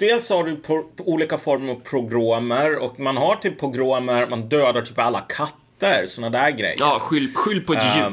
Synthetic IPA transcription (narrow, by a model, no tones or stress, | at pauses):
d̪̥eːlshaɖɵpʰɔuːliːkafɔɾməɾavpʰɾʊɡɾoːməɾɔ̰kmanɦaʈʰipʰːɾʊɡɾoːməɾmand̪øːd̪aʈʰyːpalːa̰kʰat̪ːəɾsɔnad̪æːɾɡɾɛ̰jːɑːɧʏlːɧʏlːpʰɔɛj